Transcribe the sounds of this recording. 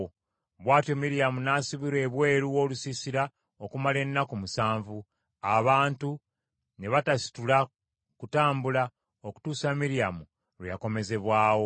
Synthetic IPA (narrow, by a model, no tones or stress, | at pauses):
βwaːtjo̞miɾijamunaːsiβiɾwe̞ːβwe̞ːɾuwo̞ːlusisiɾa | okumale̞nːakumusaːɱvu | aβaːntu | ne̞βatasi̥tula | kutaːmbula | oku̥tuːsamiɾijamu | lwija̰ko̞me̞ze̞βwaːwo̞